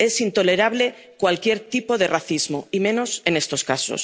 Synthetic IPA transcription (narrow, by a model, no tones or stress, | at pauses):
e̞sint̪o̞le̞ɾaβ̞le̞ | kwalkje̞ɾt̪ipo̞ðe̞raθizmo̞imẽ̞no̞se̞ne̞st̪o̞skaso̞̰s